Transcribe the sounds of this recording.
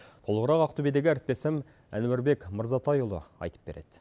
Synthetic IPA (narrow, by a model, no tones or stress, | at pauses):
t̪ʰo̞lˠəʁəɾɑqɑqt̪ubed̪eɡʲɪæɾɪp̚t̪e̞sɪm | æ̰nwæɾbe̞kməɾzɑt̪ʰɑjuʊlˠə̰ɑ̰jt̪ə̥p̚be̞ɾe̞d̪̥ɪ